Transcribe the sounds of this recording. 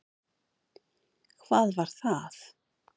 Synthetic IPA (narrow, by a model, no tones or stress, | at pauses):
kʰvaːðvaɾ̥θað